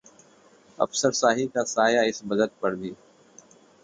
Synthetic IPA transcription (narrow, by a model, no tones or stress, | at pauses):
ɐ̰fsəɾsaːɦikaːsaːjaːɪsbəd̪ət̪̚pəɽd̪iː